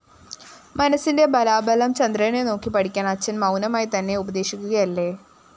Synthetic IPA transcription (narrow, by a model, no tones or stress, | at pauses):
mɐnɐsːinde̞bɐlaːbɐlɐmt͡ɕɐnd̪rɐjneno̞ːkːipɐʈʰikʲːaːnɐt͡ɕːɐnmɐwnɐmaːjit̪ɐnːe̞ubɐd̪e̞ːɕikʲːuɣɐjɐlːeː